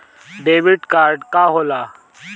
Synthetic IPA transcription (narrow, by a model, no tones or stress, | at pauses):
ɖeːʋiʈkaːɾɖkaːɦoːlaː